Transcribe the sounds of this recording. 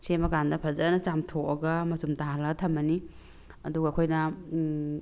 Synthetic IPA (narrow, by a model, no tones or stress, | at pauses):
semɐɡandɐpʰɐzɐnɐt͡ʃamtʰokɐɡɐmɐsumtaɦalɐɡɐtʰɐmbɐni | ɐ̰duɡɐːkʰojnɐ